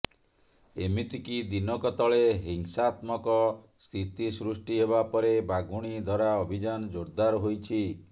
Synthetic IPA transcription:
emit̪ikid̪inɔkɔt̪ɔɭeɦiŋsaːt̪mɔkɔ | st̪ʰit̪isɾusʈiɦeβapɔɾebaɡuɽ̃id̪ʱɔɾaɔbʱid͡ʒanɔd͡ʒoɾd̪aɾɔɦojt͡ʃʰi

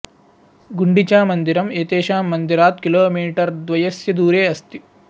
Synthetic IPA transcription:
ɡuɳɖit͡ʃaːmɐnd̪iɾɐmeːt̪eːʃaːmːɐnd̪iɾaːt̪̚kiloːmiːʈɐɾd̪ʋɐjɐsjɐd̪uːɾeːɐst̪i

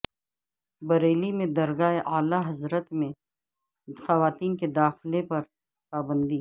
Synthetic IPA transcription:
bɐɾeːlimẽd̪ɐɾɡaːeʔaːlaɦɐzɾət̪mẽ | xɐʋaːt̪iːnked̪aːxlepɐɾ | paːbə̃nd̪iː

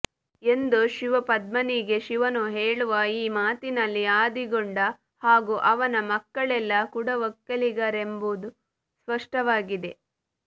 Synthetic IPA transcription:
e̞nd̪uʃiʋɐpɐd̪mɐniɡe̞ʃiʋɐnuɦeːɭuʋɐiːmaːt̪inɐlːiaːd̪iɡoɳɖɐ | haːɡuʔɐʋɐnɐmɐkːɐɭɛlːɐkuɽɐʋɐkːɐliɡɐɾe̞mbud̪u | spɐʂʈɐʋaːɡid̪e̞

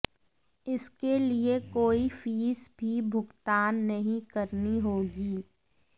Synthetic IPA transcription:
ɪskeliekoːifiːsbʱibʱʊɡt̪aːnːɐɦĩkɐɾniɦoːɡiː

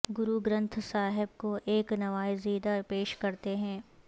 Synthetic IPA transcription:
ɡʊɾuɡɾə̃nt̪ʰsaːɦɪbkoʔeːknɐʋaːjziːd̪apeːʃkɐɾt̪eɦɛ̃ː

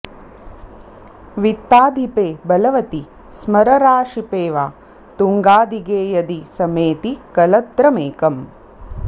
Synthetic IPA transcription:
ʋit̪ːaːd̪ʱipeːbɐlɐʋɐt̪i | smɐɾɐɾaːʃipeːʋaː | t̪uŋɡaːd̪iɡeːjɐd̪isɐmeːt̪ikɐlɐt̪ɾɐmeːkɐm

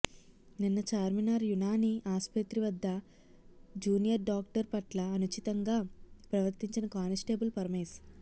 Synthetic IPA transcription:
ninːɐt͡ʃaːɾminaːɾjunaːniʔaːspɐt̪ɾiʋɐd̪ːɐ | d͡ʒuːnijɐɾɖaːk̚ʈɐɾpɐʈlɐːnut͡ʃit̪ɐŋɡaːpɾɐʋɐɾt̪iɲt͡ʃinɐkaːnɐsʈeːbulpɐɾɐmes

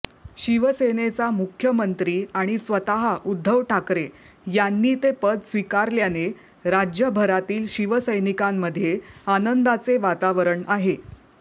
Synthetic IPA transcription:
ɕiʋəsenet͡samukʰjəmənt̪ɾiːaɽ̃isʋət̪aɦaʔud̪ʱːəʋʈʰakɾe | janːiːt̪epəd̪sʋikaɾljane | ɾad͡ʑjəbʱəɾat̪iːlɕiʋəsəjnikamːəd̪ʱːjeanənd̪at͡seʋat̪aʋəɾəɳaɦe

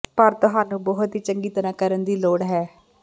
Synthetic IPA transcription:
pəɾt̪ʊɦaːnũːbɔːɦʊt̪ɦiːt͡ʃəŋɡiːt̪ənãːkəɾənd̪iːloːɽɦɛː

